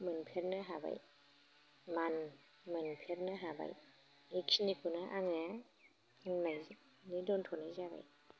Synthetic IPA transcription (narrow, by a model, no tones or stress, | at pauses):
mɯnpʰeɾnaɦaba̰j | man | mɯnpʰeɾnaɦaba̰j | iksnikʰunaʔaŋa | annajz | nidɔntʰɔnajzaba̰j